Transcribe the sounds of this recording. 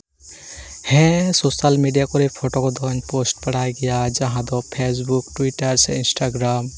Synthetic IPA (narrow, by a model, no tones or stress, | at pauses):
hɛ̃sosalmeɖijakɔɾepʰoʈokɔd̪ʱɔnposʈpɐɽ̤aeɡɛjad͡ʒɐɦãd̪ɔpʰes̬bukʈwiʈəɾsḛ̃ɪnsʈaɡɾaːm